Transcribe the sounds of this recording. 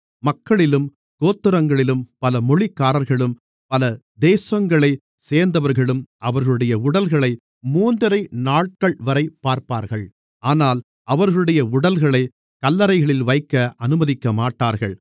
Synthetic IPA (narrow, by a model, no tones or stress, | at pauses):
mɐkːɐɭɪlɯm | koːt̪ːɪɾɐŋɡɐɭɪlɯmpɐlɐmɔɭɪkːaːɾɐɾɣɐɭɯm | pɐlɐ | d̪eːsɐŋɡɐɭɐɪ | seːɾnd̪ɐʋɐɾɣɐɭɯmʔɐʋɐɾɣɐɭɯɽɐjɐʊɽɐlɣɐɭɐɪ | muːnd̪ɐɾɐɪnaːʈ̚kɐɭʋɐɾɐɪpːaːɾpaːɾɣɐɭ | aːnaːl | ɐʋɐɾɣɐɭɯɽɐjɐʊɽɐlɣɐɭɐɪ | kɐlːɐɾɐɪɣɐɭɪlʋɐɪkːɐʔɐnɯmɐðɪkːɐmaːʈːaːɾɣɐ̰ɭ